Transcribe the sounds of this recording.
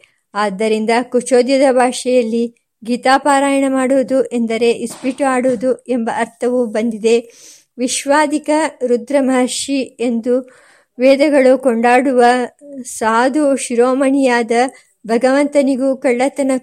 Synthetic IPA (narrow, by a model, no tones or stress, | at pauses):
aːd̪ːɐɾind̪ɐkut͡ʃoːd̪jɐd̪ɐbʱaːʂɐjɐlːi | ɡiːt̪aːpaːɾaːjɐɳɐmaːɽuːd̪uʔend̪ɐɾe̞ʔispiʈaːɽoːd̪uembɐʔɐɾt̪ʰɐʋubɐnd̪id̪e̞ | ʋiʃʋaːd̪ikɐɾud̪ɾɐmɐɦɐʃie̞nd̪u | ʋeːd̪ɐɡɐɭukoɳɖaːɽuʋɐsaːd̪ʱuʃiɾoːmɐɳijaːd̪ɐ | bʱɐɡɐʋɐnt̪ɐniɡukɐɭːɐt̪ɐnɐ